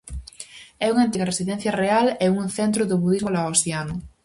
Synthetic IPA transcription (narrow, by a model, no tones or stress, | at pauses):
ɛuŋant̪iɣɐresiðɛnθjɐrealɛuŋθɛnt̪ɾʊðʊβuðizmolaosianʊ